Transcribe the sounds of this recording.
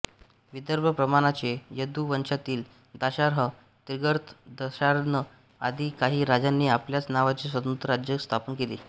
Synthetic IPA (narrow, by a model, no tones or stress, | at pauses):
ʋid̪əɾbʱəpɾəmaɽ̃at͡ɕejəd̪uʋənɕat̪iːl | d̪aɕaɾɦə | t̪iɾɡəɾt̪d̪əɕaɾnə | ad̪ʱiːkaɦiːɾad͡ʑanːiːapljat͡snaʋat͡ɕesʋət̪ənt̪ɾəɾad͡ʑjəkst̪ʰapənkelḭː